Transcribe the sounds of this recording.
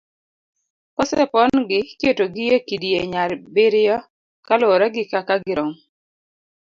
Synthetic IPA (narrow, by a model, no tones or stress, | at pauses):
kɔsɛ̰pɔnɡɪketoɡɪjekidijeɲaɾbɪɾɪjɔ | kaloɾɛɡɪkakaɡɪɾɔŋ